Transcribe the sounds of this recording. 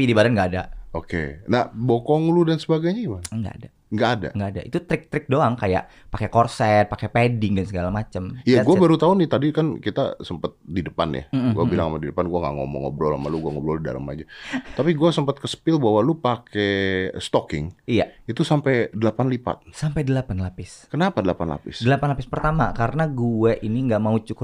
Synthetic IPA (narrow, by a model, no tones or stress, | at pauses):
pidibadanŋɡaːdaokḛnabokɔŋludansəbaɡajɲaimaŋŋɡa̰a̰da | ŋɡaːda̰ŋɡaːda̰ʔit̪ut̪ɾɪk̚t̪ɾɪk̚doaŋkaja̰ʔ | pakekɔrsɛt̪̚pakepedɪŋdansəɡalamat͡ʃəmijaɡubaɾut̪aʊnɪt̪adikankit̪a̰səmpət̪̚didəpa̰nja̰m̩ɡuabilaŋamadidəpanɡuaŋɡaʔŋo̰mɔ̰ŋo̰bɾɔla̰ma̰luɡuaŋobɾɔida̰ɾə̰ma̰d͡ʒat̪apiɡuasəmpət̪̚kəsə̥pɪlbawalupakɛst̪ɔkɪ̰ŋijait̪usampɛjdəlapanlipa̰t̪̚sampajdəlapanlapɪskənapadəlapanla̰pɪsdəlapanlapɪspərt̪amakaɾənaɡuɛʔiniŋɡaʔmaut͡ʃuk